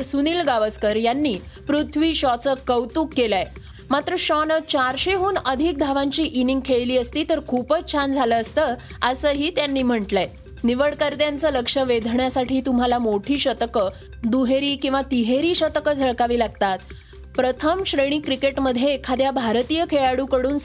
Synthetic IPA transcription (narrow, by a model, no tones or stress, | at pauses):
əɾsuniːlɡaʋəskəɾjanːiː | pɾut̪ʰʋiːɕɔt͡səkəwt̪uːkːelaj | mat̪ɾəɕɔnət͡ɕaɾɕeɦuːnəd̪ʱik̚d̪ʱaʋaɲt͡ɕiːʔiniŋɡ̚kʰeɭliːəst̪iːt̪əɾkʰupət͡st͡ɕʰand͡zʱaləːst̪əː | əsəːɦiːt̪janːiːm̤əɳʈla | niʋəɭkəɾd̪jant͡səːləkʂəʋed̪ʱɳjasaʈʰiːt̪umalamoʈʰiːɕət̪əkə | d̪uɦeɾiːkĩw̃ʋat̪iɦeɾiːɕət̪əkəd͡zʱəɭkaʋiːlaɡ̚t̪at̪ | pɾət̪ʰəmɕɾeɽ̃iːkɾikeʈməd̪ʱjeːkʰad̪jabʱaɾt̪ijəkʰeɭaɽuːkəɽuːn